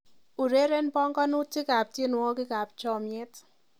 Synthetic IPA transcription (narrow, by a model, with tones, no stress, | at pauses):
u˨ɾe˦ɾe˦npɔ˦ŋkɔ˦nu˦t͡ʃi˦ka˨p̚t͡ʃi˦n˨wɔ˦kɪ˦ka˨p̚t͡ʃɔ˦˨mjɛ˦t